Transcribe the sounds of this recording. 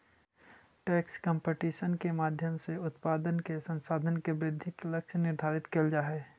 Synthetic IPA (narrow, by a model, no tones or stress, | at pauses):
ʈɛːkskəmpeʈiːʃənkemaːd̪ʱjəmseʊt̪paːd̪ənkesə̃nsaːd̪ʱənkebɾɪd̪ʱːikləkʃʰnɪɾd̪ʱaːɾɪt̪keld͡ʒaːɦɛː